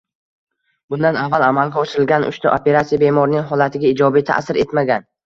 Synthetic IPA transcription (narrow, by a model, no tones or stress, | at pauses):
bʊnd̪anavːalamalɡʲaɒʃɪɾɪlɡʲanʔʊ̰ʃt̪aʔope̞ɾat̪sijabe̞mɒɾnɪŋɦɒlat̪ʰɪɡʲaɪd͡ʒɒbijt̪ʰa̰ʔsɪɾʔe̞t̪maɡʲan